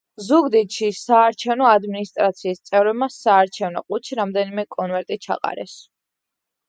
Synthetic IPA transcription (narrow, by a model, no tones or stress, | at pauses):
zuɡd̪it̪ʃisaːɾt͡ʃʰɛvnɔad̪minist̪ʼɾat̪sʰiːst̪sʼɛvɾɛbmasaːɾt͡ʃʰɛvnɔ̰qʼut͡ʃʰiɾamd̪ɛnimɛkʼɔnvɛɾt̪ʼit͡ʃʰa̰qʼa̰ɾɛ̰s